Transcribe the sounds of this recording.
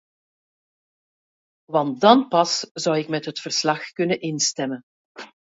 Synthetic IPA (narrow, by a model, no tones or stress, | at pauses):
ʋɑnt̚dɑnpɑsz̥ʌwɪkmɛtɦətfərslɑxkɵnənʔɪnstɛmən